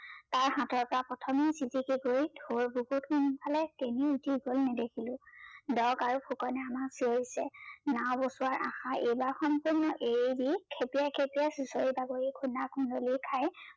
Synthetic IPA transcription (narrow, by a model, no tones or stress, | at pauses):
taɹhatɔɹpɔɹapɔtʰɔmisitikiɡojdʱoɹbuɡutkunpʰalɛkeniutiɡolnɛdekʰilʊ̃dɔɡaɹupʰukɔnɛamaksioɹisɛnawbosuwaɹʔaxaʔejbaɹxɔmpuɹnɔʔedikʰepiakʰepijasusɔɹibaɡoɹikʰundakʰundolikʰaj